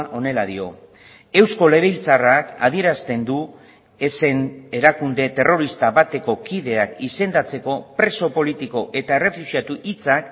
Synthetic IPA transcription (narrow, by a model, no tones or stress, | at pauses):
ʔo̞ne̞laðio̞ | e̞wsko̞le̞βejlt͡saraka̰ð̞ie̞ɾast̪e̞nd̪u | e̞se̞ne̞ɾakund̪e̞t̪e̞ro̞ɾist̪aβat̪e̞ko̞kiðe̞akise̞nd̪at͡se̞ko̞pɾe̞so̞po̞lit̪iko̞ʔe̞t̪ae̞re̞fusiat̪uʔit͡sak